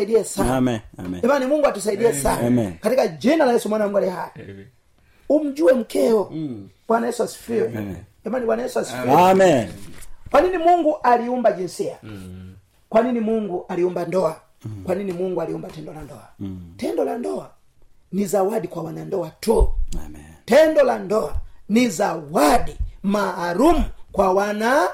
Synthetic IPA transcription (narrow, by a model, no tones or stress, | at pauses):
iɗiɛsa | ɛmanimuŋɡuwatus̬aiɗiɛsakatikad͡ʒinalajɛsumwanam̩ɡalɛhai | um̩d͡ʒuwɛm̩kʰɛɔ | wanajɛsuwasi̥fiwɛ | ɛmaniwanajɛsuwasi̥fim | kwaninimuŋɡuʔaliumbad͡ʒinsia | kwaninimuŋɡuʔaliumbandɔa | kwaninimuŋɡualiumbatɛndɔlandɔatɛndɔlandɔa | nizawadikwawanandɔatu | tɛndɔlandɔanizawadimaːɾumukwawana